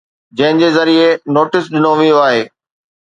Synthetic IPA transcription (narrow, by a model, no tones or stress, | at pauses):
d͡ʑɐ̃ɦɪ̃d͡ʑeːzɐɾienoːʈɪsɗɪnoʋijoaːɦeː